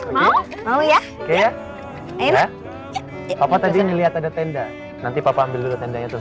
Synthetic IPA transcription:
ma | maja | keja | aa | papat̪adiɲəliɦat̪adat̪ɛnda | nant̪ipapaːmbɪldulat̪ɛndaɲat̪ʊ

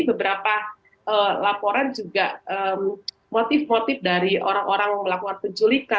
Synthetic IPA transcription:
bəbəɾapa | ʔəlapoɾand͡ʒuɡaʔəm | mot̪ɪfmot̪ɪfdaɾiʔo̰ɾaŋʔoɾaŋməlakuŋanpəɲt͡ʃulika

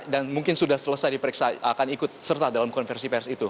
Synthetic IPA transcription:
danmuŋkɪnsudahsələsajdipəɾiksaakanikʊt̪̚sərt̪adalamkɔnfɛrsipɛrsit̪u

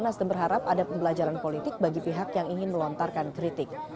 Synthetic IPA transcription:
nasdəmbərɦaɾapadapəmbəlad͡ʒaɾanpolit̪ɪk̚baɡipiɦakjaŋiŋɪnməlɔnt̪arkankɾit̪ɪk̚

